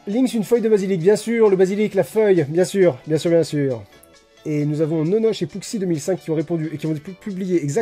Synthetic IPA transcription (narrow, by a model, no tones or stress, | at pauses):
lĩŋsynfœjd̪əbazilik̚bjɛ̃syːʁləbaziliklafœjbjɛ̃syːʁbjɛ̃syʁbjɛ̃syːʁ | enuzavɔ̃nɔnɔʃepuksid̪ømilsɛ̃kʲːiɔ̃ʁepɔ̃d̪yekʲiɔ̃t̪epʰyblijeːɡzak